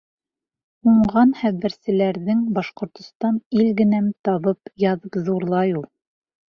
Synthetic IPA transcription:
uɴʁɑnχæβɘ̆ɾsɘ̆læɾðɘŋbɑʃqŏɾt̪ŏst̪ɑnilɡɘ̆næmt̪ɑβɤpjɑðɤpzðuɾlˠɑjulˠ

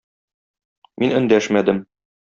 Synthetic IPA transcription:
mʔinɵ̆nd̪æʃmæd̪ɘm

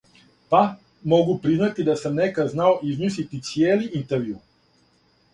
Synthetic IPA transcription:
pa | mɔɡupɾiznat̪id̪asamnɛkaznaoiznis̬lit̪it̪sjɛliint̪ɛɾvju

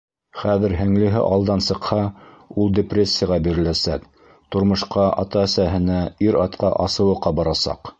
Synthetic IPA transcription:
χæðɘ̆ɾɦɘ̆ŋlɘ̆ɦɘ̰ʔɑlˠd̪ɑnsɤ̆qhɑulˠd̪ʲeprʲesʲːɪjaʁɑbiɾɘ̆læsæk | t̪ŏɾmɤ̆ʃqɑʔɑ̰t̪ɑæsæɦɘ̆næiɾɑt̪̚qɑ̰ʔɑsɤ̆wɤ̆qːɑbɑɾɑsɑ̰q

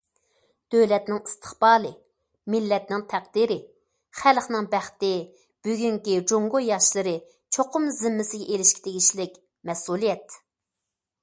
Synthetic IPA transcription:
d̪̥øwlɛt̪nɪŋi̥st̪ʰə̥χbɑːlˠɨ | mɪlːɛt̪nɪŋt̪ʰæqd̪iɾɪ | χælχnɪŋbæχt̪ɪ | b̥yɡʲyŋkʲid͡ʒoŋɡojɑʃlˠɨɾɨ | t͡ʃʰoqʊmzɪmːɪsɪɡʲɛʔelɪʃkʲʰi̥t̪ʰeɡʲiʃlɪkʲ | mɛsulˠijɛt̪

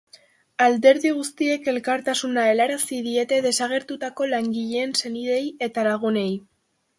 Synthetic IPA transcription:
ald̪e̞ɾðiɣ̞ust̪ie̞ke̞lkaɾt̪asunaelaɾasiðie̞t̪e̞ðe̞saɣ̞e̞ɾt̪ut̪ako̞laŋɡiʎeːnse̞niðe̞je̞t̪alaɣ̞une̞j

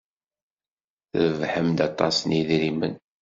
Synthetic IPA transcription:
θəvħəmd̪ɑt̪ˤɑsniðɾimə̰n

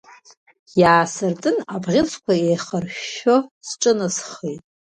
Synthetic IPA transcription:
jaːsɨrt͡sʼɨnabʁʲɪt͡sʰkʷʰaejχərʃosʈ͡ʂʼɨnasχejtʼ

